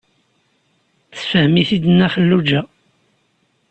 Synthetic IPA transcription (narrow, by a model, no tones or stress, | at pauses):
θə̥fəhmiθid̪ənːæfəlːud͡ʒæ